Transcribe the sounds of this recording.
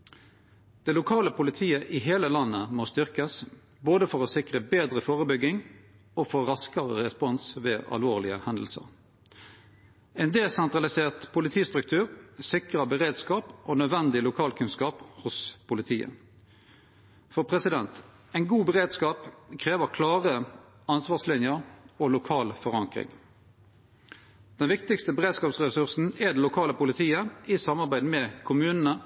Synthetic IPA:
d̪̥ɛlʊkʰɑːləpʰʊlɪt̪ʰiːəʔiːɦeːləlɑnːəmost̪ʏʁkəs | boːd̪əfɔʁɔsɪkʁəbeːd̪ʁəfoːʁəbʏɡːɪŋ | oːfoːʁɑskəʁəʁɛspɔnsʋeːʔɑ̰lʋoːʁlɪəhɛnd̪əl̩sə̰ʁ | ɛɪnd̪eːsɛnt̪ʁɑlɪseːʁt̪pʰʊlɪt̪ʰiːst̪ʁʉk̚t̪ʰʉːʁsɪkʁəbəʁeːd̪skɑːpʔoːnœd̪ʋɛnd̪ɪlʊkʰɑːlkʰʉnskɑːphʊspʰʊlɪt̪ʰiːə̰ | fɔʁpʰʁɛsɪd̪ɛnt̪ | ɛɪnɡuːbəʁeːd̪skɑːpkʰʁeːʋəʁkʰlɑːʁə | ɑnsʋɑːʁslɪnjəʁolʊkʰɑːlfɔʁɑŋkʁɪ̰ŋ | d̪̥ɛnʋɪkt̪ɪkst̪əbəʁeːd̪skɑːpsʁɛsʉʁsn̩ɛd̪ɛlʊkʰɑːləpʊlɪt̪ʰiːəɪsɑmɑʁbæɪd̪mɛːkʰʊmʉːnənə

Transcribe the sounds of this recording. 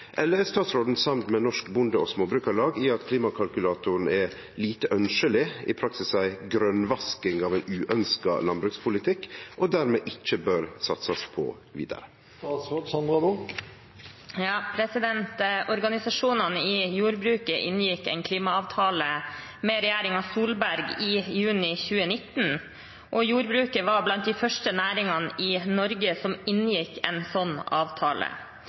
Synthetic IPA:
ʔɛlːəɛst̪ɑːt̪sɾoːd̪n̩sɑmt̪mɛnɔʂkbʊnd̪əɔsmoːbɾʉːkɑɾlɑːɡiɑt̪kʰliːmɑkʰɑlkʉlɑːt̪ʊɾɳ̩ɛ | liːt̪əʔœnʃəlɪɪ̰pʰɾɑksɪsæɪɡɾœnʋɑskɪŋɑːʋæɪnʉːʔœnskɑ̰lɑnbɾʉkspʰʊlɪt̪ʰɪkːʔɔd̪æɾmeːʔɪt͡ʃːəbøːɾsɑt̪sɑspʰɔ̰ | ʋḭːd̪ə̰ɾə | t̪ɑːt̪sɾoːd̪sɑnd̪ɾɑd̪ɔk | jɑːpʰɾɛsɪd̪ɛnt̪ɔɾɡɑnɪsɑʂuːnɑnəɪjuːɾbɾʉːkəʔɪ̰njɪkːɛ̰nkʰliːmɑɑʋt̪ʰɑːləmeːɾɛjæːɾɪŋɑʋsuːlbæɾɡɪjʉːnɪçʉːənɪt̪ːn̩ | ʔɔjuːɾbɾʉːkəʋɑblɑnt̪̚d̪ɪfœʂʈənæːɾɪŋɑnəʔɪnɔɾɡəsɔmɪnjɪkʰːɛ̰nsɔnːɑːʋt̪ʰɑːlə̰

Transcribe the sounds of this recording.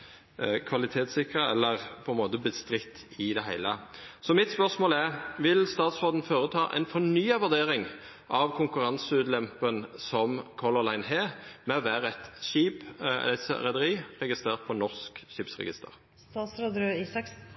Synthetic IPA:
kʰʋɑlɪt̪ʰeːt̪sɪkʁəɛlːəʁpʰɔɛnmoːt̪əbəst̪ɾɪt̪ʰː | ɪd̪ɛɦæɪləsɔmɪt̪spœʁsmoːlæʁʋɪlst̪ɑːt̪sʁoːd̪n̩foːɾət̪ʰɑ̰ːʔɛ̰ɪnfɔnyːɑʋʉʁd̪eːɾɪŋ | ʔɑʋkʰʊŋkʉɾʁɑnsəʉːt̪lɛmpənsɔmkʰɔʁləʁlæɪnɦeːmɛɔʋæːʁəɛt̪ʃiːpɛ̰ɾɛd̪əɾiːʁɛɡɪst̪ʁeːʁt̪̚pʰɔnɔʁskʃiːpsʁɛ̰ɡɪ̰st̪ə̰ʁ | st̪ɑːt̪sɾoːd̪ɾøiːsɑks

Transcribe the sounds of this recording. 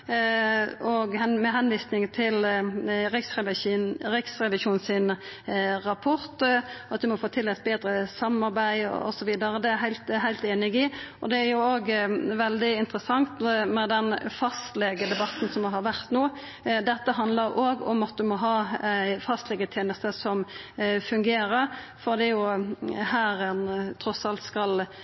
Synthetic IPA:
ɔɡɛmɛɦɛnʋiːsnɪŋt̪ʰɪlɾɪksʁɛɾɪksʁɛʋɪʃuːnsɪn | ɾɑpʰɔɾt̪ɑt̪̚d̪ʉmɔfoːt̪ʰɪlːɛst̪̚beːd̪ɾəsɑmːɑɾbæɪɔ̰sɔʋiːd̪əɾəd̪ɛæɦæɪlt̪ɦæɪlt̪eːnɪɡɪɔd̪ɛæɾjʊoːɡʋɛld̪ɪɪnt̪ɾəsɑŋt̪mɛd̪ɛnfɑst̪lɛɡəd̪ɛbɑt̪n̩sɔmʋɪɦɑɾʋæɾt̪noː | d̪ɛt̪ːəɦɑnd̪ləɾʔoːɡɔ̰mɑt̪̚d̪ʉmɔɦɑːæɪfɑst̪lɛɡət̪ʰjeːnəst̪əsɔmfʉŋɡeːɾəɾ | fɔʁd̪ɛæɾjʊhæːɾɛnt̪ʰɾɔsɑlt̪skɑl

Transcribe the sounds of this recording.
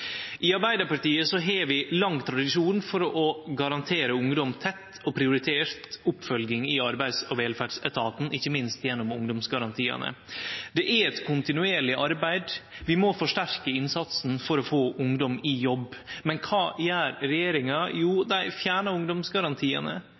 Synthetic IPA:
ʔɪɑɾbæɪd̪əpɑʈiːəsɔɦeːʋɪlɑŋːt̪ʰɾɑd̪ɪʂuːnfɔɾɔʔɔɡɑɾɑnt̪ʰeːɾəʊŋd̪ɔmt̪ʰɛt̪ː | ɔpʰɾɪʊɾɪt̪ʰeːɾt̪ʊpːfœlɡɪŋɪɑɾbæɪd̪sɔʋeːlfæːɖʂɛt̪ʰɑːt̪n̩ʔɪçːəmɪnst̪jɛnːɔmʊŋd̪ɔmsɡɑɾɑnt̪ʰiːɑ̰nə̰d̪ɛʔæɾɛt̪kʰʊnt̪ɪnʉeːɾɭɪʔɑɾbæɪd̪ʋɪmɔfɔʂʈæɾkəɪnsɑt̪sn̩fɔɾɔfoːʔʊŋd̪ɔmɪjɔbːmɛnkʰɑːjæːɾɾɛjeːɾɪŋɑjuːd̪æɪfjæːɳɑʊŋd̪ɔmsɡɑɾɑnt̪ʰiːə̰nə̰

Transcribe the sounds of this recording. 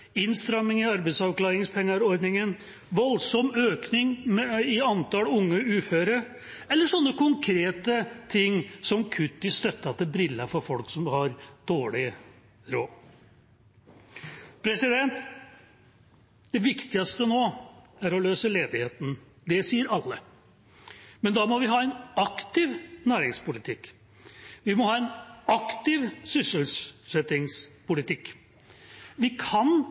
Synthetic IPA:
ɪnst̪ɾɑmːɪŋɪɑɾbɛsɑʋklɑːɾɪŋspʰɛŋːɑɾɔɾd̪nɪŋən | ʋɔlsɔmøːknɪŋmɪɑnt̪ɑlʊŋːəʉːføːɾəɾ | ɛlːəʂɔnːəkʊŋkʰɾeːt̪ət̪ʰɪŋːsɔmkʰʉt̪ːɪst̪œt̪ːɑt̪̚d̪ɛbɾɪlːɑfɔɾfɔlksɔmhɑɾd̪̥oːɭɪ | ɾoː | pʰɾɛsɪd̪ɛnt̪ | d̪̥ɛʋɪkt̪ɪɑst̪ənoːæɾɔløːsəleːd̪ɪheːt̪n̩ | d̪ɛsiːəɾɑlːə | mɛnd̪ɑmɔʋɪɦɑːɛnɑkt̪ɪʋnæːɾɪŋspʊlɪt̪ʰɪkː | ʋɪmɔhɑːɛnɑkt̪ɪʋsʏsəlssɛt̪ɪŋspʊlɪt̪ʰɪkː | ʋɪkʰɑn

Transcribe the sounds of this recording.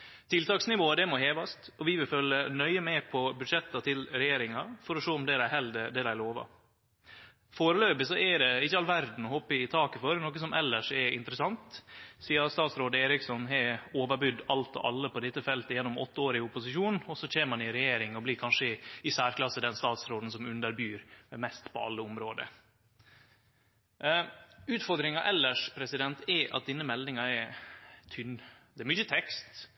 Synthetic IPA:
t̪ʰɪlt̪ɑːksnɪʋoːəd̪ɛmoɦeːʋɑst̪ɔʋɪʋɪlfœlːənœʏəmɛpʰɔbʉd̪ʂɛt̪ːɑt̪ʰɪlɾɛjeːɾɪŋɑfɔɾɔʂoːʊmd̪ɛd̪æɪhɛld̪ɛd̪ɛd̪æɪloːʋɑ̰ | foːɾəløːbɪsɔʔɛd̪ɛɪçːəɑlʋæɾd̪n̩ɔhɔpəɪt̪ʰɑːkəfɔɾnoːkəsɔmʔɛlːəʂɛɪ̰nt̪ɾəsɑnt̪siːəst̪ɑːt̪sɾoːd̪eːɾɪksɔnɛoːʋəbʉd̪ːɑlt̪ɔ̰ʔɑ̰lːəpʰɔd̪ɪt̪ːəfɛlt̪əjɛnːɔmɔt̪ːəoːɾɪʊpʊsɪʂuːnɔsɔc͡çeːməmɑnɪɾɛjeːɾɪŋɔblɪkʰɑnʂəɪsæːɾklɑsəd̪ɛnst̪ɑːt̪sɾoːd̪n̩sɔmʉnd̪əɾbyːɾmɛmɛst̪pʰɔ̰ɑ̰lːəʊmɾoːd̪ə̰ | ʉːt̪fɔɾd̪ɾɪŋɑʔɛlːəʂpʰɾɛsɪd̪ɛnt̪ʰɛʔɑ̰t̪̚d̪ɪnːəmɛld̪ɪŋɑɛt̪ʰʏnd̪ɛːɾmʏçət̪ʰɛkst̪

